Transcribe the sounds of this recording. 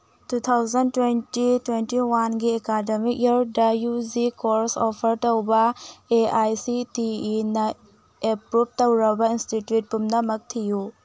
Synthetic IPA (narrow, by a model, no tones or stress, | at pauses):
tut̪ʰawzɐntwentitwentiwanɡiekademik̚jɐɾdɐjuzikoɾsopʰɐɾtowbɐeajsitiinɐ | epɾup̚towɾɐbɐinstitjut̚pumnɐmɐk̚tʰiju